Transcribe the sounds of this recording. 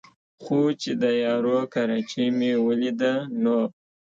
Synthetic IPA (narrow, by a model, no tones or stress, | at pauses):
xot͡ʃed̪əjɑɾokaɾɑt͡ʃimewəlid̪ano